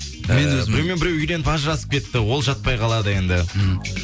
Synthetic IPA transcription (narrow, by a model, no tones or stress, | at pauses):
mmenwɵɪɾewmebɪɾewʏjd̪e̞nɪpɑʒəɾɑsə̥p̚kʲʰe̞t̪ːɪwo̞lˠʒɑt̪̚pɑjqʰɑlˠɑd̪əje̞nd̪ɪ